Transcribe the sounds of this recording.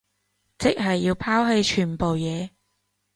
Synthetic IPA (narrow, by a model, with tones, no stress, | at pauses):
t͡sɪ˥k̚ɦɐ˨jːiː˧wpʰaː˥wɦe˧jt͡ʃʰyː˨˩npo˨wjɛː˨˧